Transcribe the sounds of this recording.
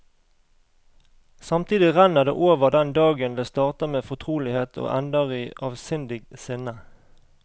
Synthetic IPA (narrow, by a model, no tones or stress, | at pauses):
sɑmt̪ʰiːd̪ɪʁænəʁd̪ḛːʔoːʋəʁd̪ɛnd̪ɑːɡənleːst̪ɑːʁt̪əmeːfɔt̪ʰʁuːlɪheːt̪ʰo̰ːʔænd̪əʁiːʔɑːʋsʏnd̪ɪɡsɪnə